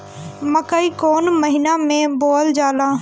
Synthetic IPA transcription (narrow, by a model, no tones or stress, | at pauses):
məkaikoːnməɦɪnamẽboːld͡ʒaːlaː